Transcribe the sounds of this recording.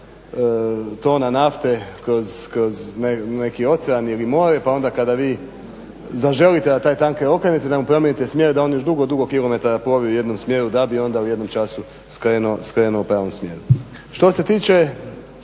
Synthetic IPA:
t̪o̞ːnanaft̪e̞ko̞zkɾo̞znene̞kio̞t̪seanilimo̞ɾepao̞nd̪akad̪aʋiː | zaʒe̞lit̪e̞d̪at̪aːjt̪aŋkeo̞kɾenet̪ed̪amupɾomjenit̪e̞smje̞ɾed̪ao̞njo̞ʒd̪uɡo̞d̪uɡokilˠo̞me̞t̪aɾapɾo̞biuje̞d̪no̞msmje̞ɾud̪abio̞nd̪auje̞d̪no̞mt͡ʃasu | skɾenoskɾe̞nuopɾaːʋo̞msmje̞ɾu | ʃt̪o̞se̞t̪iːt͡ʃe

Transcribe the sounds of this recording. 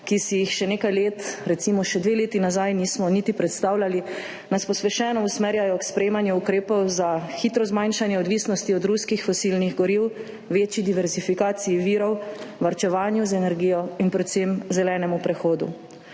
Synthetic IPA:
kisijixʃɛneːkajleːt̪ɾɛt̪simɔʃɛd̪ʋeleːt̪inazajniːsmɔnit̪ipɾɛt̪st̪aːwlali | naspɔspɛʃɛːnɔusmeɾjajɔkspɾɛjeːmanjuukɾeːpɔwzaxit̪ɾɔzmajnʃanjɛɔd̪ʋiːsnɔst̪iɔd̪ɾuskixfɔsilniɣɡɔɾiw | ʋeːt͡ʃid̪iʋɛɾzifikaːt̪sijiʋiːɾɔwʋaɾt͡ʃɛʋaːnjuzɛnɛɾɡiːjɔinpɾɛt̪semzɛlɛːnɛmupɾɛxoːd̪ṵ

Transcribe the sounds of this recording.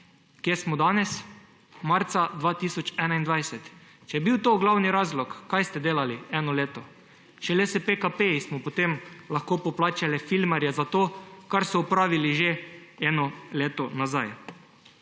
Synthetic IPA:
kjesmɔd̪aːnɛs | maɾt̪sad̪ʋaːt̪isɔt͡ʃɛːnaind̪ʋajsɛt̪ | t͡ʃɛjɛbiwt̪oːɡlawniɾaːzlɔkːajst̪ɛd̪eːlaliɛːnɔleːt̪ɔ | t͡ʃɛlesepekapesmɔpot̪emlaxkoːpɔplaːt͡ʃalɛfilmaɾjɛzat̪oːkaɾsɔupɾaːʋiliʒeɛːnɔleːt̪ɔnazaj

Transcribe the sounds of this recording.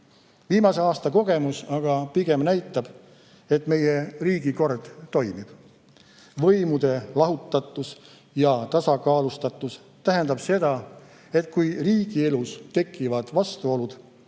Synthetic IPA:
viːmɑse̞ɑːst̪ɑko̞ɡ̥e̞musɑɡ̥ɑpiɡ̥e̞mnæjt̪ːˑɑb̥ | e̞t̪ˑme̞jeriːɡ̥iko̞rd̪̥ːo̞jmib̥ | vɤjmud̪̥e̞lɑɦut̪ːˑɑt̪ːˑus | jɑt̪ɑsɑkɑːlust̪ɑt̪ːˑus | t̪æɦe̞nd̪̥ɑb̥se̞d̪̥ɑ | e̞t̪kujriːɡ̥ie̞lust̪e̞kːˑivɑd̪̥vɑst̪uo̞lud̪̥

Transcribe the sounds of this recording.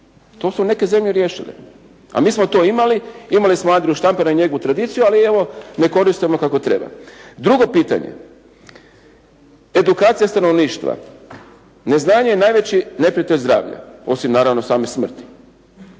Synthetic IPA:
t̪o̞ːsune̞ke̞ze̞mʎeɾje̞ːʃḭlḭ | a̰miːsmo̞t̪o̞ːimaliimalismoand̪ɾeɛjuʃt̪ampanaiɲe̞ɡout̪ɾad̪iːt̪sijualie̞ʋo̞ne̞ko̞ɾist̪omokako̞t̪ɾe̞̰ba̰d̪ɾuɡo̞piːt̪a̰ɲḛ | e̞d̪ukaːt̪sijast̪ano̞ʋniːʃt̪ʋa̰ | ne̞znaːɲejenaːjʋe̞t͡ɕine̞pɾiat̪eʎʲzd̪ɾa̰ːʋʎa̰o̞simnaːɾaʋno̞saːmesmr̩t̪i̥

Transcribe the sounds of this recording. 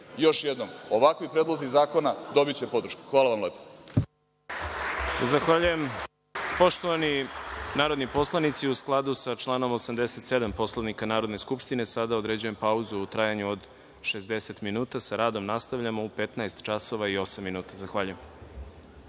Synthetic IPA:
jo̞ʃjed̪nomoʋakʋipɾeːd̪lˠozizaːko̞nad̪o̞bit͡ɕepo̞d̪ɾ̩ʃku̥xʋaːlˠaʋamleːpo̥ | zaxʋaːʎuje̞m | po̞ʃt̪oʋaninaːɾod̪nipo̞slˠanit̪siusklˠad̪usat͡ʃlˠaːno̞mo̞samd̪eset̪se̞d̪ampo̞slˠoʋnikanaːɾod̪ne̞skupʃt̪ine̞sad̪aod̪ɾe̞d͡ʑuje̞mpauzuːt̪ɾajaɲuod̪ | ʃezd̪e̞se̞t̪minuːt̪asaɾaːd̪o̞mnast̪avʎamo̞upe̞t̪naest̪t͡ʃaso̞ʋaio̞samːinuːt̪azaxʋaːʎujem

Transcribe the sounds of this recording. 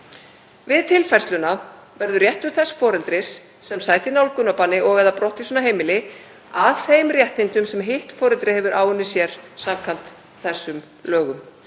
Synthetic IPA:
vɪðt̪ʰɪlfajrst̪lʏna | vɛɾðʏrjɛht̪ʏɾθɛsfɔːɾɛlt̪ɾɪsː | ɛmsaːjt̪ɪnawlkʏnːapaːnɪʔɔɣɛðapɾɔht̪isɔnaɦeːjmɪlɪ | aðθejmrjɛht̪ɪnt̪ʏmsɛmɦɪht̪fɔːɾɛlt̪ɾɪhɛvʏɾʔaːwʏnːɪsjɛɾ̥samkʰan̥t̪ | θɛsːʏm | lœːɣʏm

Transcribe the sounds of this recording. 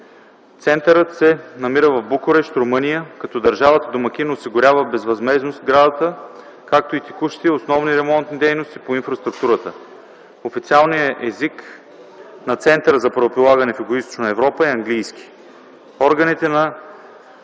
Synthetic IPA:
t̪sɛnt̪əɾət̪sɛnɐmiɾəvɐvbukʊɾɛʃt̪ɾʊmɤnijəkɐt̪ɔd̪ɐɾʒavət̪əd̪omɐk̟inːsiɡʊɾʲavəbɛzvɐzmɛznost̪ɡɾad̪ɐt̪ə | kak̚t̪oit̪ɛ̥kuʃt̪iosnɔvniɾɛmɔnt̪nid̪ɛjnost̪ipoinfɾɐst̪ɾukt̪uɾət̪ə | ofit̪sialˠnijəʔɛzik | nɐt̪sɛnt̪əɾəzɐpɾɐopɾilˠaɡɐnɛfiɡʊist̪o̥t͡ʃonɐɛvɾɔpəiɐŋɡlijski̥ | ɔɾɡɐnit̪ɛnɐ

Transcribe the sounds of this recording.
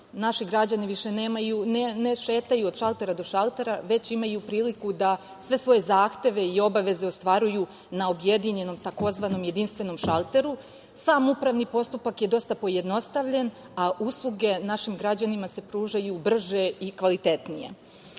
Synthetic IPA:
naʃiɡɾad͡ʑaniʋiʃe̞neːmajuneneʃe̞ːt̪ajuod̪̥ʃalˠt̪e̞ɾad̪o̞ʃalˠt̪e̞ɾaʋe̞t͡ɕimajupɾiːlikud̪a | sʋe̞sʋo̞je̞zaːxt̪e̞ʋe̞io̞baʋe̞ze̞ost̪ʋaɾuju | nao̞bje̞d̪iɲe̞no̞mt̪ako̞zʋano̞mje̞d̪inst̪ʋe̞no̞mʃalˠt̪e̞ɾu | saːmupɾaʋnipo̞st̪upakjed̪o̞st̪apo̞je̞d̪no̞st̪aʋʎe̞n | aʔuslˠuɡe̞naʃimɡɾad͡ʑanimase̞pɾuːʒajubr̩ʒe̞ikʋalit̪e̞t̪nije̞̰

